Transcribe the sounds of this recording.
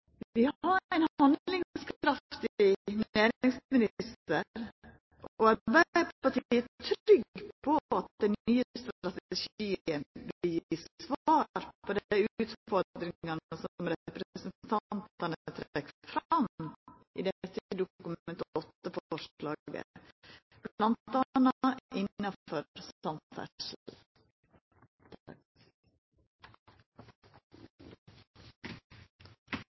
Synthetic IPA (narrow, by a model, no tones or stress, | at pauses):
ʋɪhɑɾæɪnhɑnd̪lɪŋskɾɑft̪ɪneːɾɪŋsmɪnɪst̪əɾ | ɔɑɾbæɪpɑʈiiːət̪ʰɾʏɡpʰɔɑt̪̚d̪ɛnyːəst̪ɾɾɑt̪ɛʃiːənbɪjisʋɑːɾpʰɔd̪ʉːt̪fɔɾd̪ɾɪŋɑnəsɔmɾɛpɾəsənt̪ʰɑnt̪ɑnət̪ʰɾɛkfɾɑmʔḭd̪ɛt̪ːəəd̪ʊkʉmɛnt̪ɔt̪ːəfɔʂlɑːɡə̰ | plɑnt̪d̪ɑnʔɪnːɑfɔsɑmfæ̰ʂl̩ | t̪